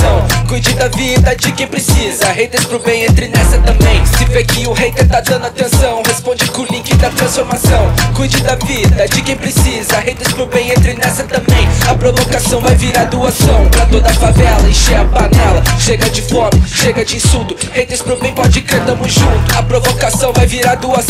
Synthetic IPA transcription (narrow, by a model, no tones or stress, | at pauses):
sɐ̃w̃kujd͡ʒɪd̪ɐvid̪ɐd͡ʒɪkẽj̃pɾɪsizɐhed̪espɾʊbẽj̃ẽt̪ɾɪnɛsɐt̪ɐ̃mbẽj̃sɪvekɪʊhejt̪ẽt̪ad̪ɐ̃nd̪ʊat̪ẽsɐ̃w̃hespõd͡ʒɪkʊlĩkɪd̪ɐt̪ɾɐ̃sfoɾmasɐ̃w̃kujd͡ʒɪd̪ɐvid̪ɐd͡ʒɪkẽj̃pɾɪsizɐhejd̪espɾʊbẽj̃ẽnt̪̬ɾɪnɛsɐt̪ɐ̃mbẽj̃ɐpɾovokasɐ̃w̃vajviɾaɾd̪uɐsɐ̃w̃pɾɐt̪od̪ɐfavɛlɐẽʃeɐpanɛlɐʃeɡɐd͡ʒɪfɔmɪʃeɡɐd͡ʒɪĩsũt̪ʊ | hejd̪espɾʊbẽj̃pɔd͡ʒɪkɾẽt̪ɐ̃mũʒũt̪ʊɐpɾovokasɐ̃w̃vajviɾaɾd̪uɐs